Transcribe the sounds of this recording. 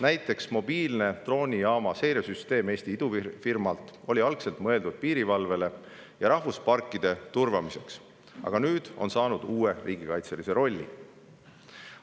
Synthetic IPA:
næjt̪ːˑe̞ksmo̞b̥iːlne̞t̪ro̞ːnʲiɑːmɑse̞jɾesyst̪e̞ːme̞ːst̪iid̪̥ufirmɑlt̪ˑo̞lʲiɑlkse̞lt̪ˑmɤe̞ld̪ud̪̥̚piːɾivɑlve̞le̞ | jɑɾɑhvuspɑrkːˑid̪̥e̞t̪urvɑmise̞ks | ɑ̰ɡ̥ɑnyːd̪̥o̞̰nsɑːnud̪̥uːe̞rʔiːɡikɑjt̪se̞lise̞ɾo̞lʲːḭ

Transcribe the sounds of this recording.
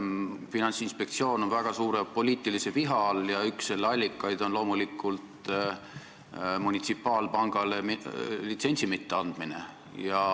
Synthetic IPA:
finɑnsinspe̞kt̪sio̞ːno̞nvæɡ̥ɑsuːɾe̞po̞lʲiːt̪ːˑiliseviɦɑljɑyksːelːɑlʲːikːˑɑjd̪̥o̞nlo̞ːmulikːˑult̪ | munʲit̪sipːˑɑːlpɑŋɡ̥ɑlemlit̪se̞nʲsimit̪ːeɑnd̪̥mine̞̰ | jɑ

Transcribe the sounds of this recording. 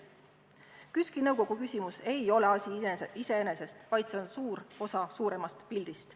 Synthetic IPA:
kyskinɤwko̞ɡ̥ukysʲimuse̞jo̞le̞ɑsʲiise̞ene̞se̞st̪vɑjd̪̥se̞o̞nsuːɾo̞sɑsuːɾe̞mɑst̪pilʲd̪̥ist̪

